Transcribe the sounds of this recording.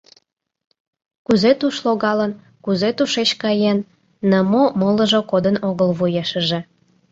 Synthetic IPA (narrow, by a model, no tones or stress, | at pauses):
kuzet̪uʃloɣɑlən | kuzet̪uʃet͡ɕkɑjenː | əmomoləʒokod̪ənoɣəlβujeʃəʒe